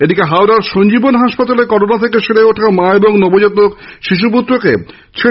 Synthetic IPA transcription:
eɖikeɦawɾaɾʃoɲd͡ʑibonɦaʃpat̪alekɔɾonat̪ʰekeʃeɽeoʈʰaomaeboŋnobod͡ʑot̪okʃiʃ̬up̬ut̪ːɾoke | t͡ɕʰe

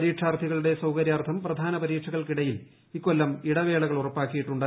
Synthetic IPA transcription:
ɐɾiːʈʂʰaːrt̪ʰiɣɐɭuɽe̞sɐwkɐɾjaːrt̪ʰɐmprɐd̪ʱaːnɐpɐɾiːʈʂʰɐɣɐɭkiɽɐjil | ikːo̞lːɐmiɽɐʋe̞ːɭɐɣɐɭurɐpːaːkːijiʈːuɳɖa

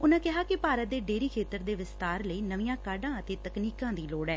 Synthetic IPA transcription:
ʊnãːkɪɦaːkɪpaːɾət̪̚d̪eːɖeːɾiːkʰeːt̪əɾd̪eːʋɪst̪aːɾləiːnəʋijãːkaːɖãːət̪eːt̪əkniːkãːd̪iːloːɽɛː

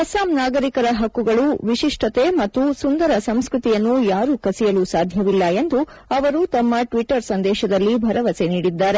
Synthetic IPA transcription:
ɐsaːmnaːɡɐɾikɐɾɐɦɐkːuɡɐɭuʋiʃiʂʈʰɐt̪e̞mɐt̪ːusund̪ɐɾɐsɐmskɾut̪ijɐnːujaːɾukɐsijɐlusaːd̪ʱjɐʋilːɐe̞nd̪u | ɐʋɐɾut̪ɐmːɐʈʋiʈɐɾsɐnd̪ɛːʃɐd̪ɐlːibʱɐɾɐʋɐse̞niːɽid̪ːaːɾe̞

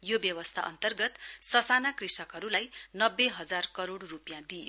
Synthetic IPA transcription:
jobjʌwʌst̪ʰaʔʌ̰nt̪ʌrɡʌt̪sʌsanakrisʌkɦʌɾulajnʌbːeɦʌd͡zarkʌɾoɽrupjãd̪ijo

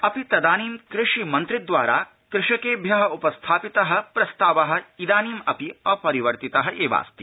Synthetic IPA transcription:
ɐpit̪ɐd̪aːniːmkɾɪʂimɐnt̪ɾid̪ʋaːɾaː | kɾɪʂɐkeːbʱjɐɦɐupɐst̪ʰaːpit̪ɐɦɐ̆pɾɐst̪aːʋɐɦɐ̆id̪aːniːmɐpiɐːpɐɾiʋɐɾt̪it̪ɐɦɐʔeːʋa̰ːst̪i

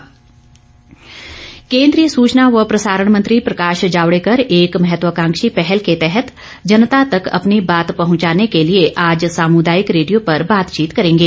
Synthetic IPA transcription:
kẽːnd̪ɾijəsuːt͡ʃnaʋəpɾɐsaːɾəɳ̃mɐ̃nt̪ɾipɾɐkaːʃd͡ʒaːʋɽekɐɾeːkmɐɦɛt̪wəkãːŋkʃipɛɦɛlket̪ɛɦɛt̪ | d͡ʒɐnət̪at̪ɐkɐ̰pnibaːt̪pɐɦʊ̃t͡ʃaːnekelieʔaːd͡ʒsaːmud̪aːjɪkɾeːɖijopɐɾbaːt̪t͡ʃiːt̪kɐɾẽːŋɡeː

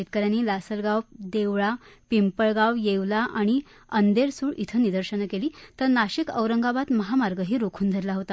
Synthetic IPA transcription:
et̪̚kəɾjanːiːlasəlɡawd̪eʋɭapimpəɭɡaʋjeʋlaʔaɽ̃i | ənd̪eɾsuːɭit̪ʰənid̪əɾɕənkeliːt̪əɾnaɕikə̰ʋɾəŋɡabat̪məɦamaɾɡəɦiːɾokʰuːnd̪ʱəɾlaɦot̪a

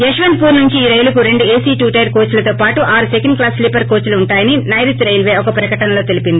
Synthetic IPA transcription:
eʃʋɐnd̪̚puːɾnuɲt͡ʃiːɾɐjlɐkuɾe̞ɳɖueːsiːʈuːʈɐjɾkoːt͡ʃlɐt̪oːpaːʈuʔaːɾsekɐɳɖ̚klaːslipɐɾko̞ːt͡ʃuluːɳʈaːjɐninɐjɾit̪ɾɐjlʋeːɔkɐpɾɐkɐʈɐnɐlo̞ːt̪e̞lipind̪i

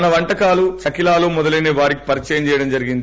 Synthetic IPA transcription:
ɐnɐʋɐɳʈɐkaːluʃɐkilaːloːmɔd̪ɐlɐjneːʋaːɾiki̥pɐɾit͡ʃɛjɐmt͡ʃɛːjɐɽɐmd͡ʒɐɾiɡind̪i

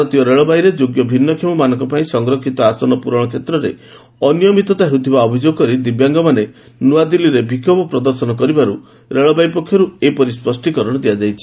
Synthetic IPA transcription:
ɾɔt̪iɔɾeɭɔbajɾed͡ʒoɡjɔbʱinːɔkʰjemɔmanɔŋkɔpaĩsɔŋɡɾɔkʰit̪ɔasɔnɔpuɾɔɽ̃ɔkʰet̪ɾɔɾḛ | ɔnijɔmit̪ɔt̪aɦut̪ʰibaɔbʱid͡ʒoɡɔkɔɾid̪ibjaŋɡɔmane | nuad̪iliɾebʱikʰɔbɔpɾɔd̪ɔɾsɔnɔkɔɾibaɾu | ɾeɭɔbajpɔkʰːjɔɾuepɔɾispɔsʈikɔɾɔɽ̃ɔd̪iad͡ʒajt͡ʃʰi̥

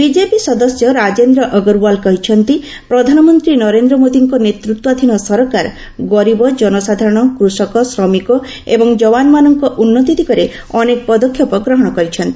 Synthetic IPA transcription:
bid͡ʒepisɔd̪ɔsjɔɾad͡ʒend̪ɾɔʔɔɡɔɾwalkɔɦit͡ʃʰɔnt̪i | pɾɔd̪ʱanɔmɔnt̪ɾinɔɾend̪ɾɔmot̪iŋkɔnet̪ɾut̪wad̪ʱinɔsɔɾɔkaɾ | ɡɔɾibɔd͡ʒɔnɔsad̪ʱaɾɔɽ̃ɔkɾusɔkɔsɾɔmikɔ | ebɔŋd͡ʒɔwanɔmanɔŋkɔʔunːɔt̪id̪ʱikɔɾe | ɔnekpɔd̪ɔkʰːjɔpɔɡɾɔɦɔɽ̃ɔkɔɾit͡ʃʰɔnt̪ii̥

